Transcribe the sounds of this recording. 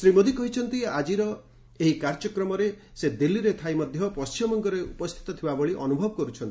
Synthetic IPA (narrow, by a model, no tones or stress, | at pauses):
sɾimod̪ikɔɦit͡ʃʰɔnt̪iad͡ʒiɾɔ | eɦikaɾd͡ʒɔkɾɔmɔɾe | sed̪ilːiɾet̪ʰajmɔd̪ʱjɔpɔst͡ʃimɔŋkɔɾeupɔst̪ʰi̥t̪ɔt̪ʰibabɔɭiʔɔnubʱɔbɔkɔɾut͡ʃʰɔnt̪i